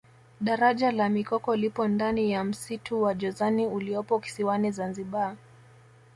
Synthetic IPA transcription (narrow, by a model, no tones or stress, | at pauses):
ɗaɾaʄalamikɔkɔlipɔndanijam̩sitʰuwaʄɔzaniuliɔpɔki̥siwanizanziɓa